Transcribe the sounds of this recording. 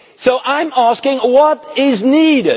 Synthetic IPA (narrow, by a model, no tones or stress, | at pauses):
soʊʔãɪ̃mæskɪ̃ŋwʌɾɪzniɾɪ